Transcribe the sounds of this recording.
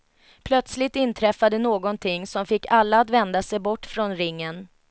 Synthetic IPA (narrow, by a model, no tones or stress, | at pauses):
pʰlœt̪slɪt̪ɪnt̪ʰɾɛfːad̪ənoːɡɔnt̪ʰɪŋːsɔmfɪkːalːaːt̪vɛnd̪asɛjbɔʈːfɾɔnɾɪŋːən